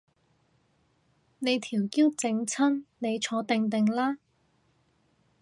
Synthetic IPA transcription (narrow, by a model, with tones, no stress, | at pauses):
ne˨˧jt̪ʰiː˨˩wki˥wt͡sɪ˧ŋt͡sʰɐ˥nne˨˧jt͡ʃʰɔː˨˧˥t̪ɪ˧ŋt̪ɪ˨ŋlaː˥